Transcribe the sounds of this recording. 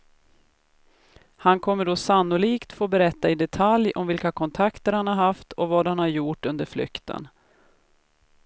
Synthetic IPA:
hankʰɔmːəɖɔsanːʊliːkt̪foːbɛɾɛt̪ːaɪd̪ɛt̪ʰaljɔmvɪlkakʰɔnt̪ʰakt̪əɾhanhaɾhaft̪ɔvaːd̪hanhaɾjuːʈːɵnd̪əɾflʏ̰kt̪ʰə̰n

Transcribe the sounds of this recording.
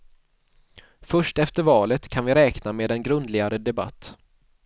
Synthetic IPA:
fœʂʈɛft̪əɾvɑːlət̪kʰanvɪɾɛːknameːd̪ɛnɡɾɵnd̪lɪɡaɾəd̪ɛba̰t̪ː

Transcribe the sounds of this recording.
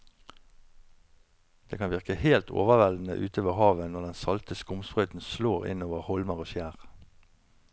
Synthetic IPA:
d̪̥eːkʰɑnʋɪʁkəheːlt̪ʰo̰ːʋəʋɛld̪n̩ə̰ʔʉ̰ːt̪oːʋəʁhɑːʋənɔʁd̪ɛnsɑlt̪əskʊmspʁœʏt̪n̩sloːʁɪ̰noːʋəʁhɔlməʁoːfjæːʁ

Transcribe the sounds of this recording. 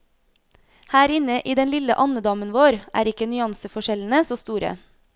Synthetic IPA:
hæːɾɪnəʔiːd̪ɛnlɪləʔɑnəd̪ɑːmənʋoːɾʔæ̰ːɾɪkənʏɑnsəfɔʃɛln̩əsoːst̪uːɾə̰

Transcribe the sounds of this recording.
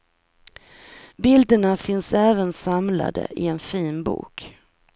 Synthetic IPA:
bɪld̪əɳafɪnsɛːvənsamla̰d̪ə̰ʔɪɛnfiːnbṵːk

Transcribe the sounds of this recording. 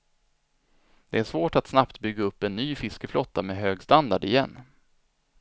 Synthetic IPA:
d̪̥ɛæʂvoːʈat̪snapt̪bʏɡːaɵpːɛnːyːfɪskəflɔt̪ːamɛːɦøːɡst̪and̪aɖɪjɛ̰nː

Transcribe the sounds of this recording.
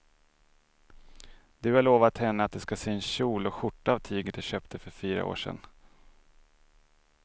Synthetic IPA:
d̪̥ɵhaɭoːvat̪hɛnːəat̪̚d̪ɛskaseːɛnɕuːlɔɧʊʈːaaːvt̪ʰiːɡəd̪ɛɕøːpt̪əfœɾfiːɾa̰o̰ːʂɛ̰n

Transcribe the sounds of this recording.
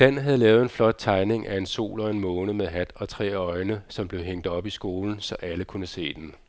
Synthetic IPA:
d̥æn̰ɦæð̞̩ˠlɛːʊð̞̩ˠe̝nflɒ̽d̥̚t͡sʰɑ̈ɪne̝ŋʔæe̝nso̝̰ːlɒ̽e̝nmɔ̽ːnəmeðˠɦæd̥ɒ̽t͡sʰʁɛ̰ːɒ̽ɪnəsɒ̽mb̥le̝ʊɦeŋ̰d̥ɒ̽b̥isɡ̥o̝ːln̩sɒ̽ʔæləkʰunəse̝̰ːd̥en

